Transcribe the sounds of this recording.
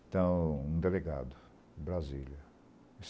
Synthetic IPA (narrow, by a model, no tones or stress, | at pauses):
t̪ɐ̃w̃ũd̪eleɡa̰d̪ʊ | bɾaziljɐ | s